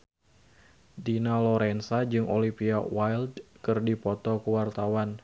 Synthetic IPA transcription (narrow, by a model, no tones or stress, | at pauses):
dinalɔɾɛnsad͡ʒɨŋʔolipiawajldkɨrdipɔt̪ɔkəwart̪awan